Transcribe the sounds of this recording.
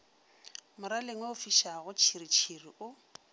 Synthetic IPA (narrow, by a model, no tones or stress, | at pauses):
mʊɾalɪŋweʊfiʃaɣʊt͡ʃʰirit͡ʃʰiriʔʊ